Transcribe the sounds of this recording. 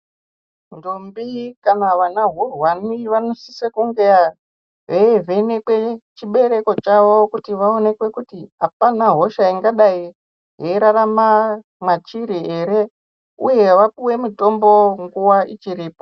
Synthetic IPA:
ndombikanaʋanaɦurwaniʋanosisekuŋɡeja | ɦeevenekwe̞t͡ʃiɓe̞ɾe̞ko̞t͡ʃaʋo̞kutiʋaone̞kwe̞kutiɦapanaɦo̞ʃaiŋɡaɗai | ɦeiɾarama | mat͡ʃiɾieɾe̞ | uje̞ʋapiwe̞muto̞mbo̞ŋɡuwait͡ʃiɾiːpo

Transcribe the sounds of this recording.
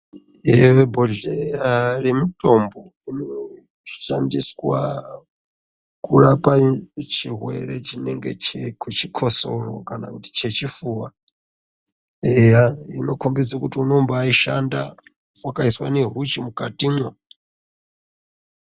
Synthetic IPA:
eboɮejaremitʼombo | ino | ʃandiswa̰ | kuɾapʼat͡ʃʰiɦwḛɾet͡ʃineŋɡet͡ʃekʰut͡ʃʰikʰosoro̰kanakuti̥t͡ʃʰet͡ʃifuwa | ejainokʰombid͡zakutiunombaːiʃanda | wakaiswa̰neɦut͡ʃimukʼatʼimwa

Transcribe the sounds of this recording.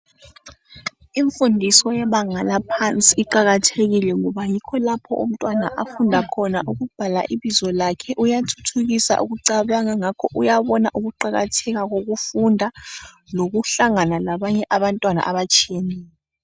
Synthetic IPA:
iɱfundʱisɔjɛβaŋalapʰant͡sʼiːǃaɣatʰeɣilɛŋɔβajikʰɔlapʰɔ̰ʔṵm̩tʼwanaʔafundʱakʰɔnaʔuɣub̥ʱala̰ʔiβizɔlakʰɛʔujatʰu̥tʰuɣisa̰ʔṵɣuǀaβaŋaŋakʰɔʔujaβɔna̰ʔuɣuǃaɣa̰tʰɛɣaɣoɣufundʱa | loɣuɬaŋanalaβaɲɛʔaβantʼwana̰ʔaβat͡ʃʼijenɛːlɛ

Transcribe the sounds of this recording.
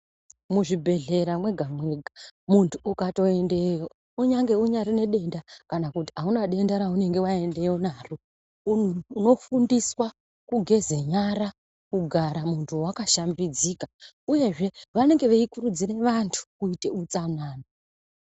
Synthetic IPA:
muʐibʱe̞ɮe̞ɾamwe̞ɡʱamwe̞ɡʱamuntʰuːkato̞e̞ndejo | uɲaŋɡe̞uɲaɾine̞ɗe̞ndakanakuti̥aunaɗe̞ndaɾaune̞ŋɡe̞wae̞nde̞jo̞naru | uuno̞fundiswa | kuɡʱe̞ze̞ɲaɾa | kuɡʱaɾamuntʰuwakaʃambid͡zika | uje̞ʐe̞ʋane̞ŋɡe̞ʋeikurud͡zire̞ʋantʰu̥kuite̞ut͡sanaːno

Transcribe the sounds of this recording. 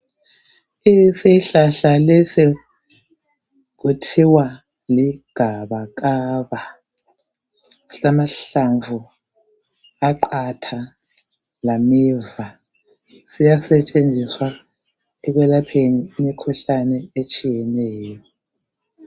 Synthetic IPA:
iseiɬaɬalɛsi | k̬utʰiwa | liɡ̥ʱaβaɣ̬aːβa | si̥amaɬaɱvu | aǃʰatʰa | lamiːva | sijasɛt͡ʃʼend͡zʱiswa | ɛɣwɛlapʰeniːmikʰuɬanɛet͡ʃʼijɛnɛːjɔ

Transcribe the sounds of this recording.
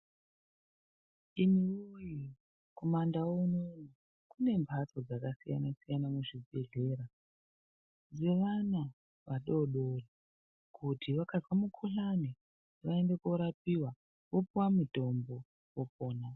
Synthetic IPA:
iniuji | ko̞mandawounona | kune̞mbʱat͡so̞d͡zakasija̰nasijanamuʐibʱe̞ɮe̞ɾa | d͡zeʋana | ʋaɗo̞ɗori | kʰutʰiʋakazwamukʰuɬani | ʋaende̞koɾap̚iwa | ʋo̞puwamuto̞mbo̞ | wopo̞ːna

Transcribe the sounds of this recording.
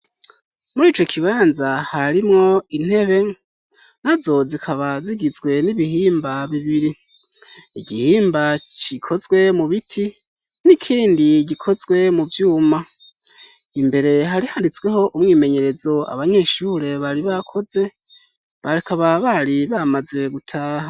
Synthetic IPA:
muɾiːt͡ʃo̞kʰiβaːnzahaɾimŋo̞in̥he̞βe̞ | nazo̞zikʰaβaziɡizɡwe̞niβihiːmbaβiβiɾi | iɟihiːmbat͡ʃikʰo̞zwe̞muβitʰi | nikʰiːndiɟikʰo̞zwe̞muvjuːma | imbe̞ɾe̞ɦaɾihandit͡swe̞ho̞ʔumŋiːme̞ɲe̞ɾe̞zo̞a̰βaɲe̞ːʃuːɾe̞βaɾiβakʰo̞ze̞ | βaɾikaβaβaɾiβamaze̞ɡutʰaːha

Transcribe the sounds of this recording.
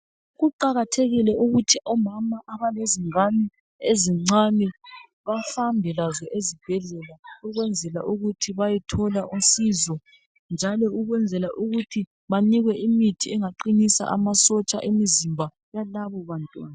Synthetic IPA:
ɣuǃaɣatʰeɣilɛuɣutʰiʔɔmamaʔaβaleziŋanɛ | eziŋ͡ǀanɛ | βafambʱɛlazɔʔezib̥ʱɛɮɛlauɣwɛnd͡zʱɛla̰ʔuɣutʰiβajɛtʰɔlaʔusizɔ | nd͡ʒʱalɔuɣwɛnd͡zʱɛlaʔuɣutʰi | βaniɣwɛimitʰiɛŋaǃinisa̰ʔa̰masɔt͡ʃʼa̰ʔemizimbʱa | jalaβɔβantʼwa̰ːna

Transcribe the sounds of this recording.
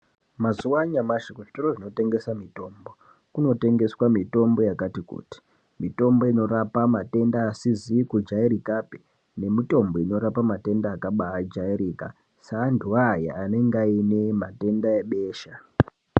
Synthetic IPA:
mazuwaɲamaʃekoʐitoɾoʐino̞te̞ŋɡe̞samito̞ːmbo̞ | kuno̞te̞ŋɡe̞swamito̞mbo̞jakatikṵːti̥ | mito̞mbo̞ino̞ɾapamate̞ndaːsizikud͡ʒaiɾikape | ne̞mito̞mbo̞ino̞ɾapamate̞ndaːkaɓaad͡ʒaiɾiːka̰ | saːnduaja̰ane̞ŋɡaine̞mate̞ndaeɓe̞ːʃa

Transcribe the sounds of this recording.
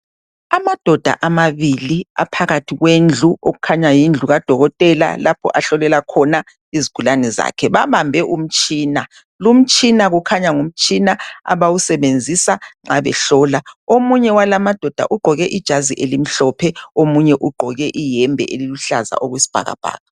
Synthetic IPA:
amad̥ʱɔd̥ʱa̰ʔamaβilia̰pʰaɣatʰiɣwend͡ɮʱuoɣukʰaɲajind͡ɮʱuɣad̥ʱɔɣɔtʼɛla̰lapʰɔ̰ʔaɬɔlɛlakʰɔna | iziɡ̥ʱulanɛza̰kʰɛβaβambʱɛʔum̩t͡ʃʼiːna | lum̩t͡ʃʼinaɣukʰaɲaŋum̩t͡ʃʼinaa̰βawusɛβend͡zʱisaŋ͡ǁaβɛ̰ɬɔːlaomuɲɛwalamad̥ʱɔd̥ʱa̰ʔuɡ͡ǃʱɔɣɛʔid̥ʒ̥ʱaziʔelim̩ɬɔpʰɛomuɲɛʔuɡ͡ǃʱɔɣɛʔijɛmbʱɛ̰ʔeliluɬaza̰ʔoɣwisi̥b̥ʱa̰ɣa̰b̥ʱa̰ːɣa

